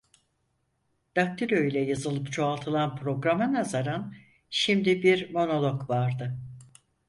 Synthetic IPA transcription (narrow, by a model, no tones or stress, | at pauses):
d̪̥ak̚t̪ʰiɾʲøjlʲɛjazɯlˠɯpt͡ʃʰo̞alˠt̪ʰɯlˠanpʰɾo̞ɡɾamanazaɾan | ʃimd̪ibiɾmo̞no̞lˠo̞kvaɾd̪ɯ